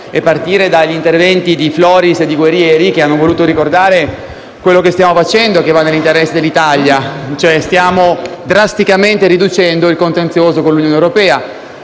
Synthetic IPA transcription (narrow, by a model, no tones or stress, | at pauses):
epːart̪iːɾed̪aʎːint̪ervɛnt̪id̪iflɔːɾised̪ːiɡwerːjɛːɾikeanːovoluːt̪oɾikord̪aːɾe | kwelːokest̪jaːmofat͡ʃɛnd̪oekevːanːelːint̪eɾɛsːed̪elːit̪aljat͡ʃoɛst̪jaːmod̪ɾast̪ikament̪eɾid̪ut͡ʃɛnd̪oilkont̪ensjoːzokonlːunjoːnewɾopɛːa